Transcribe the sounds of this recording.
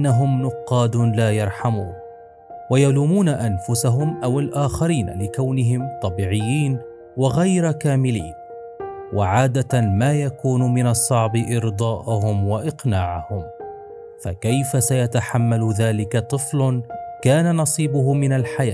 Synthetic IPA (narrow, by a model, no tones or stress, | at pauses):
ʔnːaɦʊmnʊqːɑːd̪ʊlaːjɑɾˤħamuːn | wajaluːmuːnaʔanfʊsaɦʊmʔawɪlʔaːxaɾiːn̰lɪkawnɪɦɪmt̪ˤɑbiːʕɪjːiːn | wɪɣajɾkaːmɪlḭːn | wʔaʕaːd̪amaːjakuːnʊmɪnɑsˤːɑʕbɪʔɪɾd̪ˤɑːʔʊhʊmwaʔɪqnaːʕahʊm | fa̰kajfasajat̪aħamːalʊðaːlɪkat̪ˤɨflkaːnanɑsˤiːbʊɦʊmɪnalħajaː